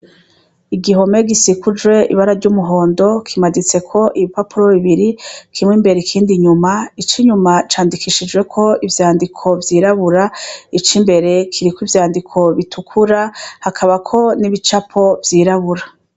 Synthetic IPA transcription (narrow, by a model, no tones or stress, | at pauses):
iɡiɦo̞me̞ɡisikud͡ʒwe̞ḭβaɾaɾɟuːmuɦo̞ːndo̞kʰimadit͡se̞kʰo̞ʔiβipapuɾo̞βiβiɾikʰimŋimbe̞ɾekʰiːndiɲumait͡ʃiɲumat͡ʃaːndikʰiʃid͡ʒɡwe̞kʰo̞ivjaːndikʰo̞vjiːɾaβuɾait͡ʃimbe̞ɾe̞kʰiɾikwivjaːndikʰo̞βitʰukʰuɾahakʰaβakʰo̞niβit͡ʃapʰo̞vjiːɾaβuɾa